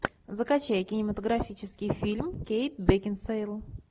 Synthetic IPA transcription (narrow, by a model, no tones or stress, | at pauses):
zəkɐt͡ɕæjəkʲɪnʲɪmət̪əɡɾɐfʲit͡ɕɪskʲɪjfʲilʲmkʲejt̪̚bʲekʲɪnsejlˠ